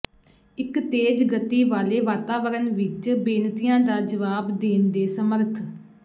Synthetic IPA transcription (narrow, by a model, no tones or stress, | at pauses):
ɪkt̪eːd͡ʒɡət̪iːʋaːleːʋaːt̪aːʋəɾənʋɪt͡ʃbeːnt̪ijãːd̪aːd͡ʒəʋaːbd̪eːnd̪eːsəməɾt̪ʰ